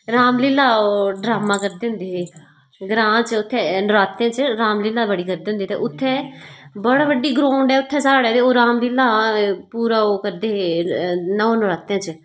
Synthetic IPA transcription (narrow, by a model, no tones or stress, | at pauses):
ɾaːmlɪlaːoɖɾaːmãːkəɾd̪eːɦʊ̃nd̪eːɦeː | ɡɾãːt͡ʃʊt̪ʰːɛːnʊɾaːt̪ːãːt͡ʃɾaːmlɪːlaːbəɽiːkəɾd̪eːɦʊ̃nd̪iːt̪ḛːʔʊt̪ʰːɛ̃ːbəɽaːbəɖːiːɡɾõːɳɖɛːʊt̪ʰːɛ̃ːsaːɽɛːt̪eːoːɾaːmliːlaːpuːɾaːoːkəɾd̪eːɦeːnə̃ːnʊɾaːt̪ːãːt͡ʃ